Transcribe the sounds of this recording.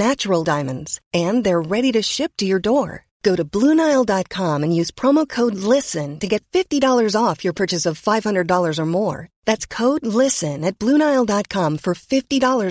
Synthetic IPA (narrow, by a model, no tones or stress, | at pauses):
næt͡ʃəɹl̩ˠdãɪ̃mɨ̃ndz̥ɨ̃nðə˞ɹɛɾiɾɨʃɪp̚tʰɨjə˞dɔɹ | ɡ̥oʊɾɨblunaɪlˠdɑt̚kʰɑ̃mɨ̃njʉz̥pʰɹ̥ɑmoʊkʰoʊdˡlɪsɨ̃ntɨɡɛtfɪftidɔlˠə˞zɔfjə˞pʰɜ˞t͡ʃɨsʌv̥faɪv̥hʌ̃ndɹədɔlˠə˞zə˞mɔɹðætskʰoʊdˡlɪsɨ̃nɨt̚b̥lũnaɪl̩ˠdɑt̚kʰɑ̃ɱfə˞fɪftidɔlˠə˞